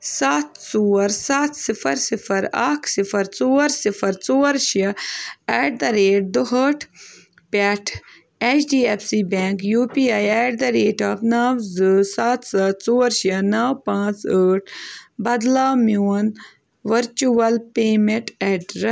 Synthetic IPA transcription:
saːt̪t͡soːɾsaːt̪ʰsifʰɐɾsifʰɐɾaːkʰsifʰɐɾt͡soːɾsifʰɐɾt͡soːɾʃɐɛːɖ̚d̪ɐɾeːʈ̚d̪oɦəʈʰ | pɐʈʰ | et͡ʃɖiːepsiːbẽːŋkjuːpiːajɛːɖ̚d̪ɐɾeːʈapnaːwzɨsaːt̪sat̪t͡soːɾʃɐnawpãːt͡səːʈʰbɐd̪laːmjuːn | ʋɐɾt͡ʃuɐlpeːmeɳʈɛɖɾɛ

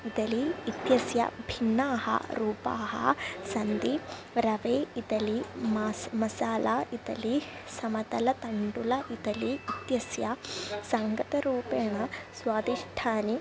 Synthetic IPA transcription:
it̪ɐliːt̪jɐsjɐ̰bʱinːaːɦɐ̰ɾuːpaːɦɐ̰sɐnd̪i | ɾɐʋeːit̪ɐlimɐsmɐsaːlait̪ɐli | sɐmɐt̪ɐlɐt̪ɐɳɖulɐʔit̪ɐliːt̪jɐsjɐsɐŋɡɐt̪ɐɾuːpeːɳɐsʋaːd̪iʂʈʰaːni

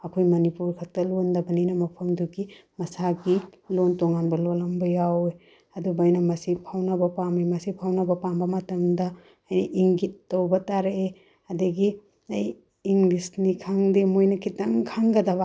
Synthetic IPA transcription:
ɐkʰojmɐnipuɾkʰɐk̚tɐlondɐbɐnijnɐmɐpʰɐmduɡimɐsaɡilontoŋanbɐlolɐmbɐjawe | ɐdubɐjnɐmɐsipʰawnɐbɐpamimɐsipʰawnɐbɐpambɐmɐtɐmdɐː | jnɐʔiŋɡitːɐwbɐtaɾee | ɐdɐɡi | ɐjː | ŋlisnikʰaŋdimojnɐkʰitɐŋkʰaŋɡɐdɐβa

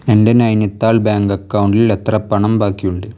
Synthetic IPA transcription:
ɛnɖɐnɐjnɐt̪ːaːlbaːŋɡɐkːɐwʊɳɖɪlɛt̪ːɾɐpːɐɳɐmbaːkːijuɳɖɯ

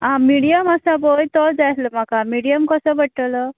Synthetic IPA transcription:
ɦãmiɽijəməsabojt̪ɔd͡zajt̪ləm̤akamiɽijəmkəsəbəʈʈələ

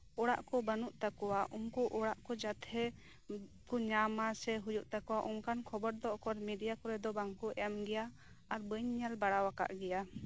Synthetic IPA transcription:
ɔɽa̰ʔkɔbənuʔt̪akɔwaʔumkuʔɔɽaʔkɔd͡ʒat̪ʰɛ | kuɲamasɛɦujuʔt̪akɔwaʔumkankʰɔbəɾd̪ɔʔkɔɾmiɖijakɔɾɛd̪ɔbaŋkuɛmɡɛjaː | ɾbəɲɲalbaɽawaka̰ʔɡɛja

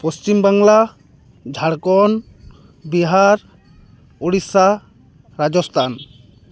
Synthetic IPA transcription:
post͡ʃimbaŋla | d͡ʒʱaɽkɔn | biɦaɾ | oɽisa | ɾad͡ʒɔst̪ʰan

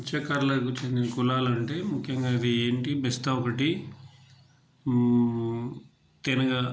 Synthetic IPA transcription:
t͡ʃekɐːɾɐlɐkut͡ʃend̪inɐkulaːlɐɳʈe̞ːmukʰjɐŋɡaːid̪ieːɳʈibɛst̪ɐɔkɐʈi | t̪enɐɡaː

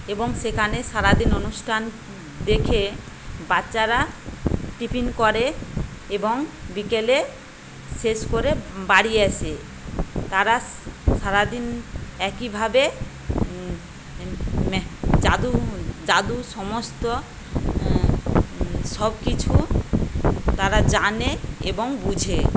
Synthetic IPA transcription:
eboŋʃekʰaneʃaɾad̪inonusʈʰan | d̪ekʰe | baːɕaɾa | ʈipinkɔɾeeboŋbikele | ʃeʃkoɾebaɽieɛt͡ɕʰe | t̪aɾaʃaɾad̪inɛkibʱabe | d͡ʑad̪ud͡ʑad̪uʃɔmost̪o | ʃɔbkit͡ɕʰu | t̪aɾad͡ʑaneeboŋbud͡ʑʱe

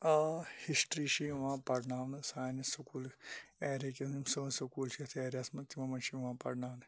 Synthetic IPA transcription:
ahisʈɾiʃiʋãːpɐɾnaːʋnsaːnisɐkuːleɾekiimsonsɐkuːlʃiɐt̪ʰieːɾjaːsmɐt̪imɐmɐnʃiʋãːpɐ̰ɾnaːʋn

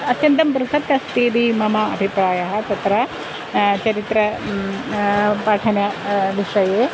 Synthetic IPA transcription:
ɐt̪jɐnt̪ɐmbɐɾusɐt̪ːɐst̪id̪imɐmaɐbʱipɾaːjɐɦɐ̆t̪ɐt̪ɾɐ | t͡ʃɐɾit̪ɾɐ | paːʈʰɐnjɐʋiʂɐjeː

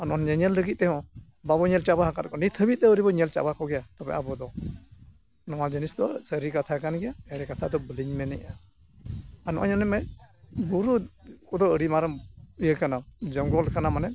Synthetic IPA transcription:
anɔɔnɲɛɲɛlːəɡit̪̚ˀt̪ɛɦɔ̃ | babɔɲɛlt͡ʃabaɦakaɾkɔnit̪ʰəbit̪̚t̪ɛəɾibɔɲɛlt͡ʃa̰bakɔɡɛjat̪ɔbɛ̰ʔabɔd̪ɔ | nɔwad͡ʒinisd̪ɔsəɾikat̪ʰakanɡɛjaɛɽɛkat̪ʰad̪ɔbəliɲmɛnɛʔa | anɔʔa̰ɲɔnɛmɛbuɾukɔd̪ɔəɽimaɾəmijəkanad͡ʒɔŋɡɔlkanamanɛ

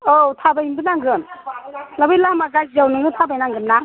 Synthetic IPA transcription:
otʰabajimdɯnaŋɡɾɯn | labɯjlamaɡaj̚zawnɯŋɡɯtʰabajnaŋɡɯnna

